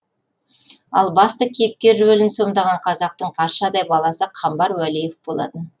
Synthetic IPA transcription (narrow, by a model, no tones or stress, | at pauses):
ɑ̰lˠbɑst̪əkʲʰejp̚kʲe̞ɾwɵlɪnso̞md̪ɑʁɑɴqʰɑzɑq̚t̪əɴqʰɑɾʃɑd̪ɑjbɑlˠɑsəqʰɑmbɑɾwælijefbo̞lˠɑ̰t̪ən